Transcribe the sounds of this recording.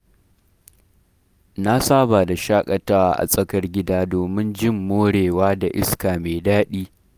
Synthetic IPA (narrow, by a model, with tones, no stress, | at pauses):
na˦saː˦baː˨da˨ʃaː˦kʼɐ˨taː˦wa˦ʔa̰˨sʼɐ˦kɐ˦rɡʲɪ˦daː˦doː˨mɪ˦nd͡ʒɪ˦˨mːoː˦ɽeː˨waː˦da˨ʔɪ˦skaː˨meː˨daː˦ɗiː˦